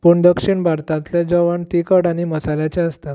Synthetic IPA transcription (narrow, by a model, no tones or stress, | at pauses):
puːɳd̪əkʂiɳbʱaɾt̪ãt̪led͡zɔʋəɳt̪ikəɽaɽ̃iməsaljat͡ɕeəst̪at̪